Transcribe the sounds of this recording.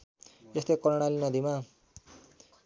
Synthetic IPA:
est̪ekʌɾɽ̃alinʌd̪ima

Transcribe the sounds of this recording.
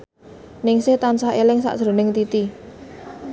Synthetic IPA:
nɪŋsɪht̪ansahelɪŋsa̰ʔdʒ̥ɾo̤nɪŋt̪it̪i

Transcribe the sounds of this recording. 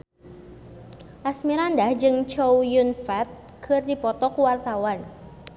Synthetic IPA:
ʔasmiɾandahd͡ʒɨŋt͡ʃowjunfɛt̪̚ | kʰɨrdipɔt̪ɔkuwart̪awan

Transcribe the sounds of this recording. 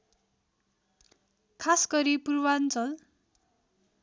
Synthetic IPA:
kʰasɡʌɾipurwant͡sʌl

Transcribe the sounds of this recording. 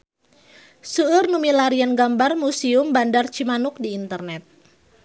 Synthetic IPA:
suːrnumilaɾianɡambarmusiʊmbandart͡ʃimanʊk̚diːnt̪ərnɛt̪̚

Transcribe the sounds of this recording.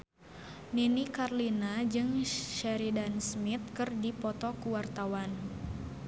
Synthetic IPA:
ninikarlinad͡ʒɨŋʃɛɾidansmit̪̚kɨrdipɔt̪ɔkuwart̪awan

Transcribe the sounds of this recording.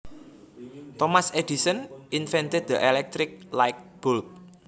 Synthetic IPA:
t̪ɔmased̥isənʔinfɛnt̪ɪd̪̚d̪əʔɛlɛk̚t̪ɾɪk̚lajk̚b̥ʊlk̚

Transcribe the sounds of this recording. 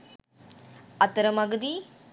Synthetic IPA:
ɐt̪ɐɾɐmɐɡɐd̪i

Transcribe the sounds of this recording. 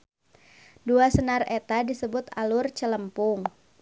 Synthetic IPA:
duasənaret̪adisəbʊt̪alʊrt͡ʃələmpʊŋ

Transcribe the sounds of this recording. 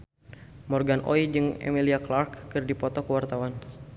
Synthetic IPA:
mɔrɡanʔɔ̰id͡ʒɨŋɛ̰miliaklarkːɨrdipɔt̪ɔkəwart̪awan

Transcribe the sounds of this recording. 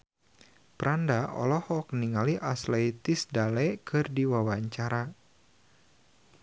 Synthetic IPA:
pəɾandaʔɔ̰lɔhɔk̚niŋaliʔasleit̪ɪsdalɛkʰɨrdiwawaɲt͡ʃaɾa

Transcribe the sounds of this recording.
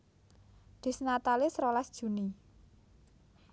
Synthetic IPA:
d̪̥i̤snat̪alɪsrolasd̥ʒ̥ṳni

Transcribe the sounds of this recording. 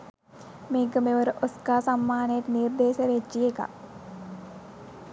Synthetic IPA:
meːkəmeʋəɾəʔoskaːsamːaːnəjeʈnird̪eːʃəɾed͡ʒieka̰

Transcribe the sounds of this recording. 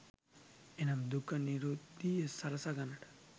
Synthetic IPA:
enɐmd̪ukːɐniɾud̪ijesɐɾɐsaɡɐnɐʈ

